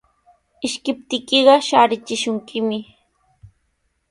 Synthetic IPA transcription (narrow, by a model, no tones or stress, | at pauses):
ɪʃkɪp̚t̪ɪkeɢɑʃaːɾɪt͡ʃɪʃʊŋkɪmɪ